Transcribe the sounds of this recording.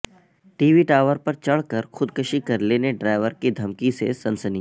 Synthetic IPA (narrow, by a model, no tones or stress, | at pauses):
ʈiːʋiʈaːʋəɾpɐɾt͡ʃɐɭkɐɾxʰʊd̪kəʃikɐɾleːneɖɾaːɪʋəɾkid̪ʱɐmkisesɐ̃nsəni